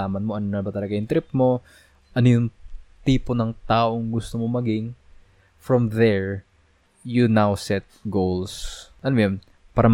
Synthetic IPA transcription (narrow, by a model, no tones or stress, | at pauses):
aːmɐnmoʔɐnonɐbɐt̪ɐlɐɡɐjʊŋt̪ɾɪp̚mo̞ | ʔɐnojʊŋt̪iːpo̞nɐŋt̪aːʔo̞ŋɡʊst̪omo̞mɐɡɪŋ | fɹɐmðɛɹ | jʊnawsɛt̪̚ɡowlsʔɐnomjon | paːɾɐm